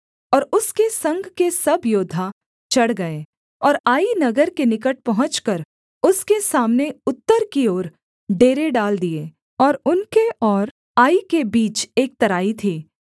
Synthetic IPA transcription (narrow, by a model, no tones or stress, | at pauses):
ɔːɾʊskesɐ̃ŋɡʱkesɐbʱjoːd̪ʱa | t͡ʃɐɽɡɐeː | ɔːɾaːinɐɡəɾkenɪkəʈ̚pɐɦʊ̃t͡ʃkəɾ | ʊskesaːmneʊt̪ːəɾkioːɾ | ɖeːɾeɖaːld̪ieː | ɔːɾʊnkeɔːɾ | aːikebiːt͡ʃeːk̚t̪ɐɾaːit̪ʰiː